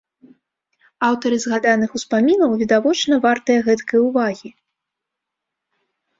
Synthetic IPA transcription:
awt̪ɐɾɨzɣad̪anɨxuspamʲinɐwvʲid̪avɔt͡ʂnɐvart̪ɐjɐɣɛt̪kɐjɐuvaɣʲi

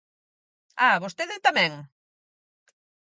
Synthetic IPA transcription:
aβost̪eðɪt̪amɛ̃ŋ

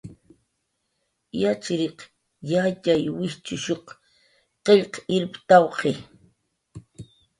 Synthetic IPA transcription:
jat͡ʃɾeq | jat͡ʃajwɪht͡ʃʊʃoχ | qeʎqɪɾpt̪awqe

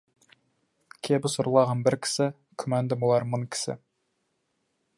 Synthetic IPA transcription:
kʲʰebɪsʊɾlˠɑʁɑnbɪɾkʲʰɪ̥sɪ | kʲʰʏmænd̪ɪmolˠɑɾmonkʲʰɪ̥sɪ̰

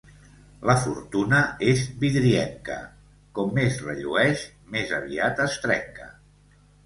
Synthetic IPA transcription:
ləfuɾt̪unəezβiðɾiɛŋkə̰ | kɔmːezrəʎuɛʃ | mezəβ̞iat̪əst̪ɾɛŋkə

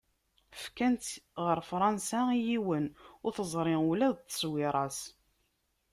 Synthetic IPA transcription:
fkænt̪ʁəɾˤfɾˤɑnsæijiwənʊɾθəzˤɾˤɪulæðt̪ːə̥sˤwɪɾˤɑs

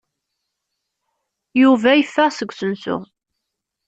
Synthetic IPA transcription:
juvæjəfːəʁsəɡʷːsənsʊ̰

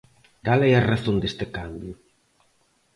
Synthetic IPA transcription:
kalɛjɐraθond̪est̪ɪkambjʊ

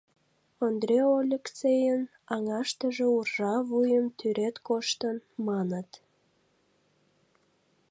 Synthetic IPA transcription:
ond̪rʲeolʲekt͡sejən | ɑŋɑʃt̪əʒeurʒɑvujəmt̪yɾet̪koʃt̪ənmɑnət̪

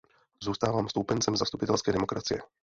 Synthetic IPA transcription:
zuːst̪aːvaːmst̪upɛnt͡sɛmzast̪upɪt̪ɛlskɛːdɛmo̞kɾʔat͡sɪjɛ̰

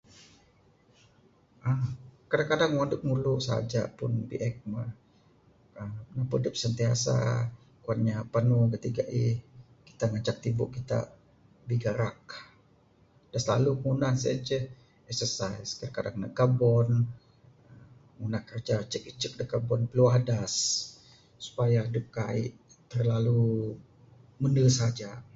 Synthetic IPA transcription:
ʔəkadakadaŋwandəp̚ŋuluʔsa̰d͡ʒa̰pʊnbḭʔɛk̚mə | əmnapudəp̚sənt̪iasa̰ | kuan̚ɲapanukət̪iɡaʔih | ki̥t̪aŋat͡ʃak̚t̪ibʊ̰ʔkit̪a̰ | biɡaɾak̚ | d̥asla̰luŋunahsət͡ʃəh | ɛksərsaiskədkadaŋna̰ʔɡabɔn | ə | ŋunahkərd͡ʒat͡ʃəkit͡ʃək̚dəɡabɔnpəluahdasː | u̥pajadəkaḭʔ | t̪ərlalu | mənəsad͡ʒa

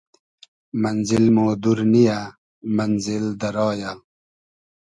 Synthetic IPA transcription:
mɐnzilmoːd̪uɾnija | mɐnzild̪ɐɾɔːja

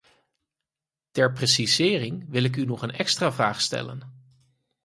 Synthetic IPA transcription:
tɛɹprɛsizɪːrɪŋʋɪlɪk̬ynɔχənɛkstraːvraːχstɛ̰lə̰n

